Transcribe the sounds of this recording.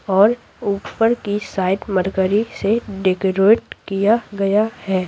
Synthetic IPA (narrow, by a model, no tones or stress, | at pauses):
ɔːɾ | uːppəɾkisaːɪʈməɾkəɾiseɖeːkəɾoːʈ̚kijaɡɐjahɛː